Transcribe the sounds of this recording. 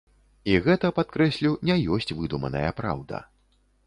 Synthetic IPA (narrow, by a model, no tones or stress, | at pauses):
iɣɛt̪ɐpat̪̚kɾɛsʲlʲiwnʲɛjɔsʲt͡sʲvɨd̪umɐ̰nɐ̰jɐpɾa̰wd̪ɐ̰